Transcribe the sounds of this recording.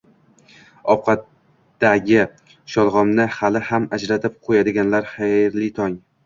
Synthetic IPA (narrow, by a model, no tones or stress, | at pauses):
ɒwqʰɑt̪ | d̪aɡʲɪ | ʃɒlˠʁɒmnɪhalɪhamad͡ʒɾat̪ʰɪp̚qʰojad̪ɪɡʲanlaɾχajɾlit̪ʰɒŋ